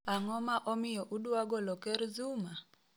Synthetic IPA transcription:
aŋɔmaʔɔmɪjɔʔudwaɡɔlɔkɛɾzuma

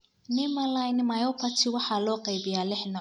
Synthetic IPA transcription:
nɪmɐlajnmajɔpʰɐt̪ʰɪwɑħɑːlɔːqɛjbɪjaːlɪħnɔ

